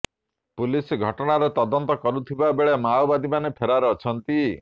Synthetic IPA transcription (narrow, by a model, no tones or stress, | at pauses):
pulisɡʱɔʈɔɽ̃aɾɔt̪ɔd̪ɔnt̪ɔkɔɾut̪ʰibabeɭemawbad̪imanepʰeɾaɾeɔt͡ʃʰɔnt̪i